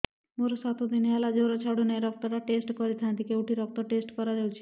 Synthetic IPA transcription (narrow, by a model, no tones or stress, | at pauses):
moɾosɔt̪ʰod̪inealad͡ʒowɾat͡ɕʰawɽonɛeɾɔk̚t̪oɾaʈesʈkoɾit̪ʰand̪ikeuʈiɾɔk̚t̪oʈesʈkɔɾad͡ʒawt͡ʃʰi̥